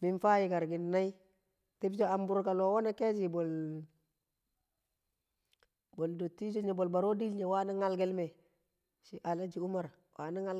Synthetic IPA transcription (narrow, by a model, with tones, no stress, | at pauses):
mi˨nfa˦ji˨ɡa˨ɾɡi˨nːa˦i˦ | ti˦bd͡ʒo˦a˨mbu˦ɾka˨lo˨wo˦na˦ke˦d͡ʒi˨bo˨l | bo˨ldo˨tːi˦d͡ʒo˦ɲe˨bo˨lba˨ɾo˦di˦lɲe˨wa˦na˦ŋa˦lɡe˦lme˨ | si˨ʔa˨la˦d͡ʒi˨u˦ma˨ɾ | wʔa˨na˦ŋa˦